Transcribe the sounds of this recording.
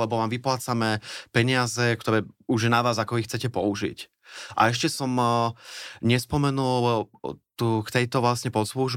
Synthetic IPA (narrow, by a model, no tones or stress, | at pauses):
ɛbɔʋaːmʋiplaːt͡samɛpɛɲɪazɛkt̪ɔɾɛːuʒjɛnaʋaːzakɔixt͡sɛcɛpɔuʒḭc | ʔa̰ɛʃcɛsɔm | ɲɛspɔmɛnul | t̪uːkt̪ɛjt̪ɔʋlasɲɛpɔt̪sluʒ